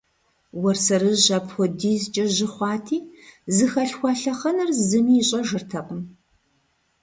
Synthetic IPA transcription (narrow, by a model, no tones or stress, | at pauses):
wɐrsɐɾɨʑɐːpʰxɔdiːzt͡ʃʼɐʒɪχʷɑːtʰiːzɨxɐɬxʷɑɬɐχɐnɐrzɨmiːɕʼɐʒɨrtʰɐqəm